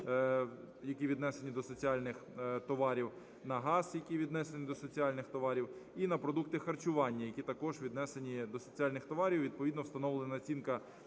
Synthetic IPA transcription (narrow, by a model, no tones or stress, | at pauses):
jɐkʲiʋʲid̪nɛse̞nʲid̪ɔsɔt͡sʲialʲnɪxt̪ɔʋɑɾʲiw | nɐɦɑsjɐkʲiʋʲid̪nɛsenʲid̪ɔsɔt͡sʲijalʲnɪxt̪ɔʋɑɾʲiwinɐpɾɔd̪uk̚t̪ɪxɐrt͡ʃʊʋɑnʲːɐjɐkʲit̪ɐkɔʒʋʲid̪nɛsenʲid̪ɔsɔt͡sʲialʲnɪxt̪ɔʋɑɾʲiwʋʲid̪̚pɔʋʲid̪nɔwst̪ɐnɔʋlˠenɐɔt͡sʲinkɐ